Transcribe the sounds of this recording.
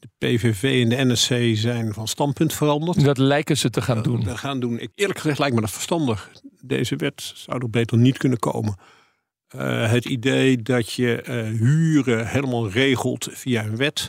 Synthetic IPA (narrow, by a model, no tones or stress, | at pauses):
d̥əpevevejɛndəɛnɛsejzɛjnvɑnstɑntpɵntfərɑndəɹtdɑtlɛjkəzətəχaːndunχaːndunɪkɪːɹləkχəzɛχtlɛjk̚mɛdɔtfəɹstɑndəχdḛjzəʋɛtsawdɔbejtərnitkɵnəko̰wmən | ɦətidejdɑtjəɦyːrəhejləmaːlˠrejχəlˠtfijaənʋɛt